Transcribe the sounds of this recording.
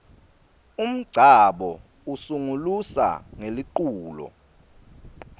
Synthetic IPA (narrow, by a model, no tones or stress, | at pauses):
um̩ɡ͡ǀʱaɓɔ | usuŋulusa̰ŋeliǃuːlɔ̰